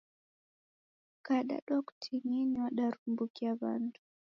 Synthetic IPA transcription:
kaɗa̰ɗɔktʰiɲɛniwaɗaɾumbukiaβa̰ndu

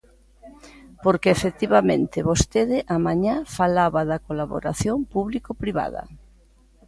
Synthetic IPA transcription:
poɾkeːfek̚t̪iβamẽnt̪ɪβost̪eðɪʔamãɲafalaβaðɐkolaβo̰ɾaθjoŋpuβlikopɾiβa̰ðɐ̰

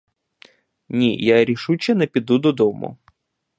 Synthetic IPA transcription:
nʲijaɾʲɪʂut͡ɕɛnɐpʲɪd̪ud̪ɔd̪ɔmʊ̰

